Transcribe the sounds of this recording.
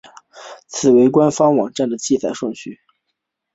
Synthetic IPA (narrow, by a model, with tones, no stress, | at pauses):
t͡sʰɹ̩˨˩we˧˥ɪkwa˥nfɑ˥ŋwɑ˨˩ŋʈ͡ʂa˥˩nd̪ə˩t͡ɕi˥˩t͡sa˨˩ɪʂwɤ˥˧ŋt͡ɕʰy˥˩